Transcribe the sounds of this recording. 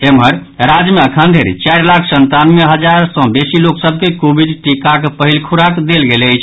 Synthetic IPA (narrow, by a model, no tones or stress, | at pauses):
emɦəɾɾad͡ʒmeəkʰãnd̪ʱeɾt͡ʃajɾlakʰsənt̪anmeɦəd͡ʒaɾsɔ̃besiloksəbʱkekobiɖʈikakepəɦilkʰuɾakd̪elɡeləjt͡ʃʰ